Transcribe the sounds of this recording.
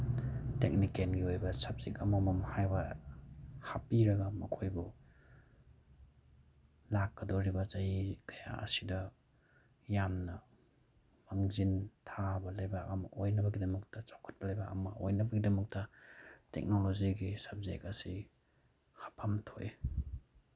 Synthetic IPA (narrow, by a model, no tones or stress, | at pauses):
tek̚nikenɡiojbɐsɐb̚zekɐmɐmɐmhajbɐ | hapiɾɐɡɐmɐkʰojbu | lakːɐdoɾibɐzɐjikʰɐja̰ɐ̰sidɐ | jamnɐ | maŋzintʰabɐlɐjbamʔojnɐbɐɡidɐmɐk̚tɐt͡ʃawkʰɐ̥t̚bɐlɐjbɐɐ̰mɐojnɐbɐɡidɐmɐk̚tɐtḛk̚noloziɡisab̚zḛk̚ɐsi | hapʰɐmtʰoj